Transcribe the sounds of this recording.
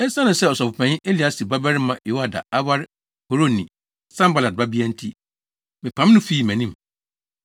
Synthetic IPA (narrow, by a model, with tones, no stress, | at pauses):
ɛ˦sã˦nʊ̃˨sɛ˦ɔ˨sɔ˨fʊ˨pʰɛ̃˨n˦ʔe˦li˨a˦si˨ba˦bɛ˦ɾɪ˦mã˨jo˨˦wa˦da̰˨a˦wa˦ɾɪ˦ | ho˨ɾo˦nĩ˨ | sã˦mba˨la˨t̚ba˦bi˦a˦n̩˦tʰi˦ | mɪ̃˨pʰã˨m˦nʊ̃˦fi˦˨mæ̃˨nĩ˦m˨